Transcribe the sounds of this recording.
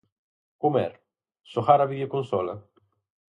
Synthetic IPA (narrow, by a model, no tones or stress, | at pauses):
kumɛ̰ɾ | soxaɾaβiðjokonsɔlɐ